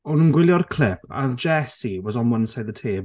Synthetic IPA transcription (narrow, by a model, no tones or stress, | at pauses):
ɔnunɡwɪlˠjɔrkʰl̥ˠɪpʰa̰ðd͡ʒɛsiwɔzɔnwənsajðətʰeː